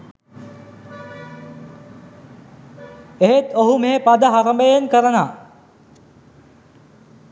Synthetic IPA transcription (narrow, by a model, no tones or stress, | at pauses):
eɦet̪oɦumeːpad̪əɦaɾəmbəjenkəɾənaː